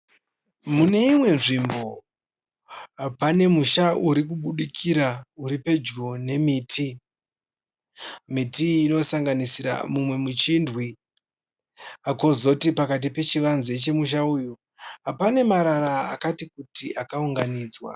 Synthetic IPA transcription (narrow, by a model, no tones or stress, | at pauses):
mune̞imwe̞nʐimbo̞ | apane̞muʃaʔuɾikuɓuɗikʰiɾauɾipe̞d͡ʒɡone̞miːtʰi | mitiːno̞saŋɡanisiɾa̰mumwe̞mut͡ʃindwi | ako̞zotipakat̬ipe̞t͡ʃiʋanzet͡ʃe̞muʃ̬auːju | apane̞maɾaɾaa̰katikutiʔakauŋɡaniːd͡zwa̰